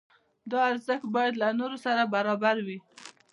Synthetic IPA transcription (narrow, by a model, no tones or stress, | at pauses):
d̪ɑaɾzəxt̪̚bɑjad̪lanoɾosaɾabaɾɑbaɾwi